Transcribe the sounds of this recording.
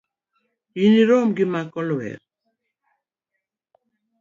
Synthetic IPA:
iniɾɔmɡimakɔlɔwɛ̰ɾ

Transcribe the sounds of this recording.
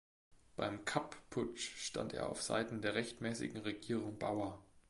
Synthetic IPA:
b̥aɪmkʰappʰːʊt͡ʃʃta̰ntḛːɐʔa̰ʊfz̥a̰ɪtn̩deːɐʁɛçtmɛːsɪ̰ɡŋ̩ʁeɡiːʁ̞ʊŋba̰ʊɐ

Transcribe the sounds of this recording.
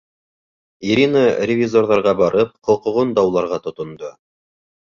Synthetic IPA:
iɾʲinərʲɪvʲizorðɑɾʁɑbɑɾɤp̚qŏlˠqɤ̆ʁond̪ɑwlˠɑɾʁɑt̪ŏt̪ŏnd̪o

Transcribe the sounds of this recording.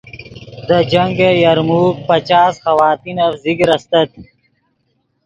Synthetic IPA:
d̪əd͡ʑɐŋɡejɐɾmuːk̚pɐt͡ɕaːsxɐwaːt̪inɐfziɡɾɐst̪ɐt̪̚

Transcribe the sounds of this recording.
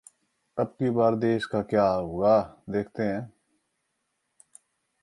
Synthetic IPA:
ɐbkibaːɾd̪eːʃkakjaːɦoːɡaːd̪eːk̚ʰt̪eɦɛ̃ː

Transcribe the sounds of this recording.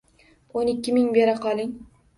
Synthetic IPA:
onɪkʲːɪmɪŋbeɾaqʰɒlˠɪŋ

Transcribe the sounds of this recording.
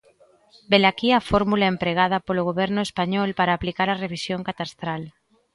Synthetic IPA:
belakiafoɾmulaempɾeɣ̞að̞apoloɣ̞oβ̞eɾnʊespaɲɔlpaɾaːplikaɾareβ̞isjoŋkat̪ast̪ɾal

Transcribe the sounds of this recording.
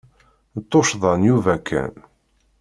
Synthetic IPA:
t̪ˤːoʃðˤɑnjuvækʰæ̰n

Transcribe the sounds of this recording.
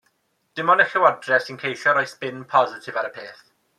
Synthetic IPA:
d̥ɪmɔnəxɛwɔdrɛsinkʰejʃɔɾɔjspɪnpʰɔzɪtʰɪvaɾəpʰeːθ

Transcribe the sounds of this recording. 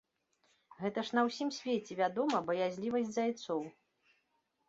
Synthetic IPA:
ɣɛt̪ɐʂnɐwsʲimsʲvʲet͡sʲɛvʲad̪ɔmɐbɐjazʲlʲivɐsʲdʲzajt̪sɔw

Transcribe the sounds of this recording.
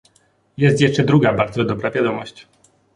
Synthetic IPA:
jɛst̪jɛʂt͡ʂɛd̪ɾuɡabaɾd̪zɔd̪ɔbɾavʲjad̪ɔmɔɕt͡ɕ

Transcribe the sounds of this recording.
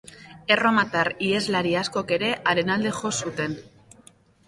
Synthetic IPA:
e̞ro̞mat̪aɾie̞zlaɾiasko̞ke̞ɾe̞ʔaɾe̞nald̪e̞xo̞sut̪e̞n

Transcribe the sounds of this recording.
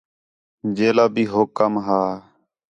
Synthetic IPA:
d͡ʒeːlaːbiːɦoːkəmɦaː

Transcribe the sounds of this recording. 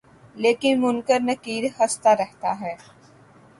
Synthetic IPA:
leːkɪnmʊnkəɾnɐkiːɾhɐst̪aɾɛɦt̪aɦɛː

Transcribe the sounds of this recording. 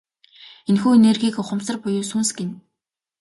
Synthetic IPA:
enxuːenerɣiːkʊχə̆msə̆rpʊjʊːsunsɡen

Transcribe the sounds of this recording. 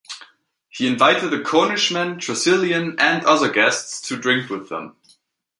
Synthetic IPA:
hiɨ̃nvaɪɾɨd̪̚ðɨkʰɔnɨʃmɨ̃ntʰɹ̥ɨsɪlˠjɨ̃nɨ̃ndʌðə˞ɡɛststʰɨdɹɪ̃ŋkwɨðə̰̃m

